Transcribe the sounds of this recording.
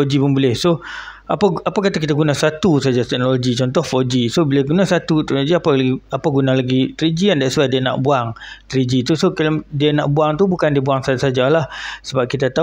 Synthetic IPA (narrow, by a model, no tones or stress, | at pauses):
od͡ʒipənbulɪhso | apaapakat̪akit̪aɡunãsat̪usad͡ʒat̪ɛk̚noloɡit͡ʃɔnt̪ɔhfod͡ʒisobilaɡunasat̪ut̪ɛk̚noloɡiapalaɡiapaɡunalaɡit̪ɾid͡ʒiandaʔsadiana̰ʔbuaŋt̪ɾid͡ʒit̪usokldiana̰ʔbuaŋt̪ubukandiəbuaŋsasad͡ʒalahsəbap̚kit̪at̪a